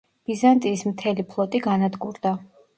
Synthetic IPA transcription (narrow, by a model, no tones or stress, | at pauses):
b̥izant̪ʼiːsmt̪ʰɛlipʰlˠɔt̪ʼiɡanad̪ɡuɾd̪a